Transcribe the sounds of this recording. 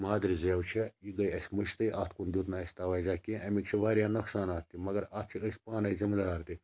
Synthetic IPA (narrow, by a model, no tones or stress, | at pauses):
maːd̪ɾizeːwt͡ʃʰiiɡɐjɐsʲmɨʃt̪ɨjʔaːt̪ʰkund̪ʲut̪nɐɐsʲt̪aʋaːjd͡ʒaːkʲĩʔɐmikt͡ʃʰiʋaːɾjaːnɐksaːnaːt̪ːimɐɡɐɾaːt̪̚ʰt͡ʃʰiəsʲpaːnɐizimɐd̪aːɾt̪i